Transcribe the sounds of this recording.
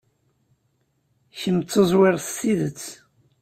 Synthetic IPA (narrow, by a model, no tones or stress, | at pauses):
çəmt͡sːəzˤwɪɾθtːiðət͡sː